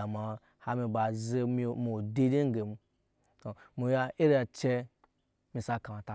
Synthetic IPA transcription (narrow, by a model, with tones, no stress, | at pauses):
a˨ma˨ | ha˦mi˧ba˨ze˦mi˦mi˨de˦di˦ŋ˦ɡe˨mu˧ | to˨mu˨ja˦e˦ɾa˨t͡ʃe˦ | mi˨sa˦ka˨ma˨ta˨